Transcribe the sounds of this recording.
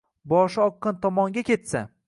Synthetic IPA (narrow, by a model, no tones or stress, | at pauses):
bɒʃɒqːɨnt̪ʰɒmɒŋɡʲakʲʰe̞t̪sa̰